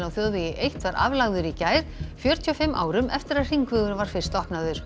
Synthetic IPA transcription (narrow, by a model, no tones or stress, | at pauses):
nawθjɔðvijɪʔejht̪vaɾʔa̰vlaɣðʏɾicaːjɾfjœːɾ̥t̪ʰiɔfɪmːʔa̰ːwɾʏmʔɛft̪ɪɾaðr̥iŋkvʏɣʏɾvaɾ̥fɪr̥st̪ɔhpnaðʏɾ̥